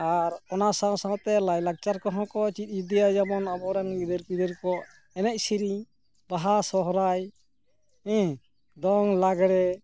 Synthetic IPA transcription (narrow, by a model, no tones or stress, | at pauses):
aɾkɔnasãsãt̪ɛlajlak̚t͡ʃaɾkɔɦɔ̃kɔt͡ʃit̪̚ˀd͡ʒud̪ijad͡ʒamɔnabɔɾɛnɡid̪ɛɾpid̪ɛɾkɔ | ɛnɛc̚siɾi | baɦasɔɦɾaj | ɛ̃ | d̪ɔŋlaɡɽɛ